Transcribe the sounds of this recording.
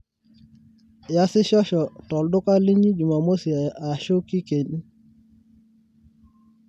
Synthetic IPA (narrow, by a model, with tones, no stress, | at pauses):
ja˦sɪ˦ʃɔ˦ʃɔ˨tɔ˨ldʊ˦ka˦li˦ɲi˦d͡ʒu˨ma˨mo˦si˨a˨a˨ʃo˦ki˦ke˨ni˦